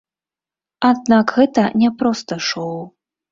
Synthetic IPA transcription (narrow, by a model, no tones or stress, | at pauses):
ad̪̚nakɣɛt̪ɐnʲɛpɾɔst̪ɐʂɔw